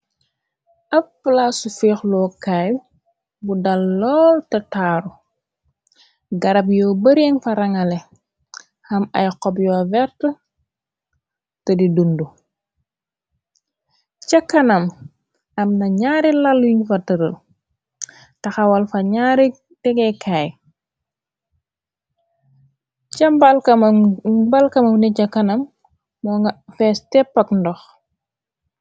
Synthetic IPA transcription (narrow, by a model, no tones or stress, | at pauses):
ʔɐpːlaːsufɛːxlɔːkaj | budɐlːɔːltɐtaːɾu | ɡɐɾɐpjɔːbɐɾɛŋfɐɾɐŋɐlɛ | xɐmɐ̰jqɔpjɔːvɛrtə | tɐdidundu | t͡ʃɐkːɐnɐm | ɐmnɐɲaːɾilɐlːuɲufɐtɐɾəl | tɐxɐwɐlfɐɲaːɾi | tɛɡɛkʰaːj | t͡ʃɐmbɐlkɐmbɐlkɐmɐwnɛcɐkːɐnɐmː | ɔːŋɡɐfɛstɛpːɐkndɔx